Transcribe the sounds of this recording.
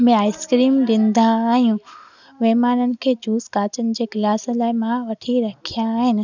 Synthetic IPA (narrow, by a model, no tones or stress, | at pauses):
mẽaːɪskɾiːmɗɪ̃nd̪aːɦijũ | ʋeːmaːnənɪ̆kʰeːd͡ʑuːskaːt͡ɕənɪ̆d͡ʑeːɡlaːsə̆laːɪmãʋɐʈʰiɾɐkʰijãːɦɪnɪ̆